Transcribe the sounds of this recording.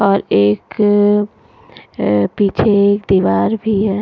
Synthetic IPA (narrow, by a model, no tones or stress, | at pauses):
ɔːɾeːk | pit͡ʃʰeekd̪iʋaːɾbʱiɛ̃